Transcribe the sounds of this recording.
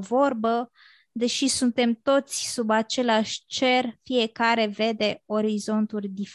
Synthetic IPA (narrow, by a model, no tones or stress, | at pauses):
vo̞rbə | d̪e̞ʃisunt̪e̞mt̪o̞t̪sʲsubat͡ʃe̞leaʃʲt͡ʃe̞rfije̞kaɾe̞ve̞d̪e̞o̞ɾizo̞nt̪urʲd̪if